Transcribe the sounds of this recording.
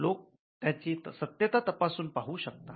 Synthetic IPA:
lok̚ | t̪jat͡ɕiːsət̪jət̪at̪əpasuːnpaɦuːɕək̚t̪a

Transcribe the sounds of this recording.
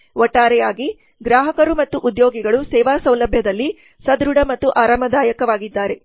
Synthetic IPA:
ʔɔʈːaːɾɛjaːɡi | ɡɾaːɦɐkɐɾumɐt̪ːuʔud̪jo̞ːɡiɡɐɭusɛːʋaːsɐwlɐbʱjɐd̪ɐlːi | sɐd̪ɾuɽɐmɐt̪ːuʔaːɾɐmɐd̪aːjɐkɐʋaːɡid̪ːaːɾe̞

